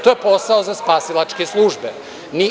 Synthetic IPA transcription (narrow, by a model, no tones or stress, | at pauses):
t̪ojepo̞saozaspaːsilˠat͡ʃkeslˠuːʒbe | ni